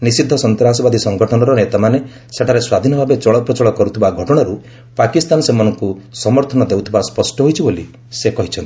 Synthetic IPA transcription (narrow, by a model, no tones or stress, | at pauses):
nisid̪ʱːɔsɔnt̪ɾas̬ɔbad̪ʱisɔŋɡɔʈʰɔnɔɾɔnet̪amane | seʈʰaɾeswad̪ʱinɔbʱabet͡ʃɔɭɔpɾɔt͡ʃɔɭɔkɔɾut̪ʰibaɡʱɔʈɔɽ̃ɔɾu | pakist̪anɔsemɔnɔŋkusɔmɔɾt̪ʰɔnɔd̪ewt̪ʰibaspɔsʈɔɦojt͡ʃʰiboli | sekɔɦit͡ʃʰɔnt̪i